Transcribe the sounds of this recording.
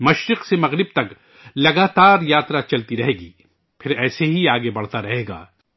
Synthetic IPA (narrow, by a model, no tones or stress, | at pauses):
mɐʃɾɪqsemɐɣɾɪb̚t̪ɐk | lɐɡaːt̪aːɾjaːt̪ɾat͡ʃɐlt̪iɾɐɦeːɡiː | pʰɪɾɛːseɦiaːɡebɐɽ̤t̪aɾɐɦeːɡa̰ː